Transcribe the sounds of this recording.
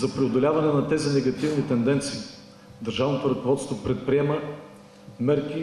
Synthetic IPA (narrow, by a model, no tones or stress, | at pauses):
zɐpɾɛod̪olʲavɐnɛnɐt̪ɛzinɛɡɐt̪ivnit̪ɛnd̪ɛnt̪siː | d̪ɐɾʒavnot̪oɾɐkovɔt̪st̪vopɾɛt̪̚pɾiɛmə | mɛɾki